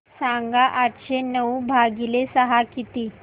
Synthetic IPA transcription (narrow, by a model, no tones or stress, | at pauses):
sãŋɡaʔaʈɕenəwbʱaɡilesəɦakit̪iː